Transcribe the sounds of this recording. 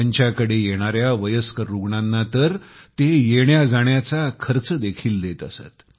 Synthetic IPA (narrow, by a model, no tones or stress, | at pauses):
aɲt͡ɕjakəɽejeɽ̃aɾjaʋəjəskəɾuɡɳanːat̪əɾt̪ejeɳjad͡zaɽ̃jat͡sakʰəɾt͡səd̪ekʰiːld̪et̪əsa̰t̪